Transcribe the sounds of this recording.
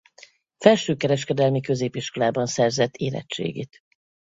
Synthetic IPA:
fɛlʃøːkɛɾɛʃkɛd̪ɛlmikø̞zeːpiʃko̞laːbɒnsɛrzɛt̪ːeːlɛ̰t͡ʃt͡ʃḛːɡḛːt̪

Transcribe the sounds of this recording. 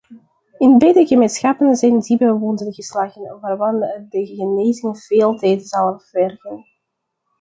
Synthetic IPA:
ɪnbɛjdəɣəmeːnsxɑpənzɛjndibɛjʋɔndənɣəslaːɣənʋaːrʋɑndəɣəneːzɪŋv̥eːlˠtɛːdəzɑlˠnʋɛrɣən

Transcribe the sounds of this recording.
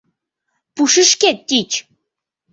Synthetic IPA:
puʃəʃket̪ːit͡ɕ

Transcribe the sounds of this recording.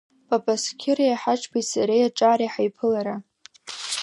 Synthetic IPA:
pʼapʼaskʲʰɪrajaħaʈ͡ʂʰʼbatsaɾejaʈ͡ʂʼaːɾaħajpʰɨlaɾa

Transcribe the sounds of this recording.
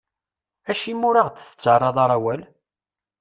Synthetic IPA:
æʃimːʊɾaʁd̪θə̥t͡sːərˤːɑðˤɑɾˤæwæl

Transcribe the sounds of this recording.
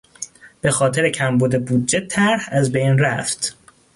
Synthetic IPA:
b̥e̞xɒːt̪ʰe̞ɾecʰæmbuːd̪ebuːd̪̚d͡ʒet̪ʰæɾhæzbejnræft̪

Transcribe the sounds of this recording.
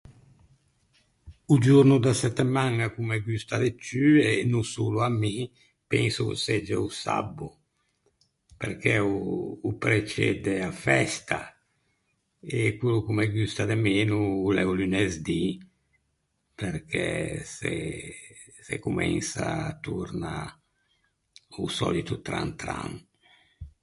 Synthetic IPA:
ud͡ʒurnud̪asɛt̪ːemaŋakumeɡyst̪ad̪et͡ʃyenusuluamːi | pɛnsuksɛd͡ʒeusa̰bːu | pḛɾkʰɛuːpɾet͡ʃɛ̰d̪eafɛst̪a̰ | ekulukumeɡyst̪ad̪emeːnuːlɛulynezd̪i | peɾkʰɛse | sḛkumɛ̰nsa̰ːt̪uɾna | usɔ̰lit̪ut̪ɾa̰nt̪ɾa̰ŋ

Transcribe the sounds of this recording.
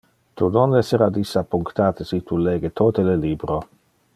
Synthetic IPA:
t̪unonɛseɾad̪isːapːuŋkt̪aːt̪esit̪ʰuleːɡet̪ʰot̪eleliːbɾo

